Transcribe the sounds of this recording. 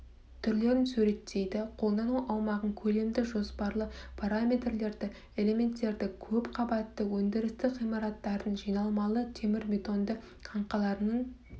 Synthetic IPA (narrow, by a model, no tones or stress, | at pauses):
t̪ʰʏɾle̞ɾɪnsʉɾe̞t̪ːe̞jd̪ɪqʰo̞lˠd̪ɑnuwʔɑwmɑʁəɴkʲʰɵle̞md̪ɪʒo̞spɑɾlˠəpʰaɾamʲe̞t̪rle̞ɾd̪ɪ | e̞le̞me̞nt̪ːe̞ɾd̪ɪkʲʰɵpqʰɑbɑt̪ːəwɵnd̪ɪɾɪst̪ɪʁijmɑɾɑt̪ːɑɾd̪ənʒijnɑlˠmɑlˠət̪ʰe̞mɪɾmʲe̞t̪o̞nd̪ə | qʰɑɴqɑlˠɑɾənəɴ